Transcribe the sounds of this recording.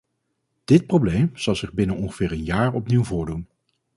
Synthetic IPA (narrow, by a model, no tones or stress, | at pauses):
d̥ɪt̚prowblejmz̥ɑlˠzɪχbɪnənɔŋχəv̥ɪːɹənjaːɹɔpniwvʊːɹdun